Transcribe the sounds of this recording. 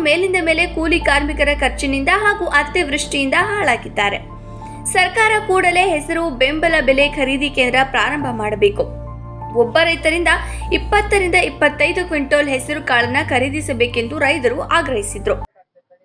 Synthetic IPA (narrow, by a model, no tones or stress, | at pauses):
me̞ːlind̪ɐmeːle̞kuːlikaːɾmikɐɾɐkʰɐɾt͡ʃɐnind̪ɐɦaːɡuʔɐt̪ːiʋɾuʂʈijind̪ɐɦaːɭaːɡid̪ːaːɾe̞ | sɐɾkaːɾɐkuːɽɐle̞ːɦɛsɐɾubembɐlɐbelekʰɐɾiːd̪ikeːnd̪ɾɐpɾaːɾɐmbʱɐmaːɽɐbe̞ːku | ɔbːɐɾɐjt̪ɐɾind̪ɐipːɐt̪ːɐɾind̪ɐipːɐt̪ːɐjd̪ukʋiɳʈoːlɦɛsɐɾukaːɭɐnːɐkʰɐɾiːd̪isɐbe̞ːke̞nd̪uɾɐjt̪ɐɾuʔaːɡɾɐɦisid̪ɾu